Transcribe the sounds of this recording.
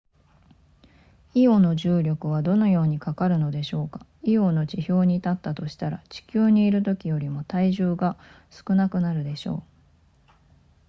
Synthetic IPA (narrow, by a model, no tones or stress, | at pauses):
io̞no̞ʑɨːɾʲo̞kɯ̟β̞ad̪o̞no̞jo̞ːɲ̟ikakaɾɯ̟no̞d̪e̞ɕo̞ːkḁio̞no̞t͡ɕiço̞ːɲ̟it̪at̪ːat̪o̞ɕi̥t̪aɾat͡ɕi̥kʲɨːɲ̟iːɾɯ̟t̪o̞kʲijo̞ɾʲimo̞t̪aiʑɨːɡa | sɨ̥kɯ̟nakɯ̟naɾɯ̟d̪e̞ɕo̞̰ː